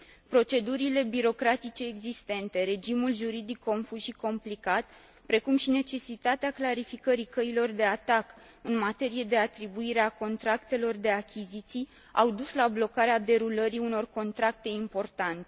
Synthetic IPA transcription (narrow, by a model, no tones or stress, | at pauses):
pɾo̞t͡ʃe̞d̪uɾile̞biɾo̞kɾat̪it͡ʃe̞ːɡzist̪e̞nt̪e̞ɾe̞d͡ʒimulʒuɾid̪ikʰːo̞nfuʃiko̞mplikat̪ | pɾe̞kumʃine̞t͡ʃe̞sit̪at̪eaklaɾifikəɾikəilo̞rd̪e̞at̪ak | ɨnmat̪e̞ɾije̞d̪e̞at̪ɾibuiɾeako̞nt̪ɾakt̪e̞lo̞rd̪e̞akʲʰizit̪sij | awd̪uslablo̞kaɾead̪e̞ɾuləɾiuno̞rko̞nt̪ɾak̚t̪e̞impo̞rt̪ant̪e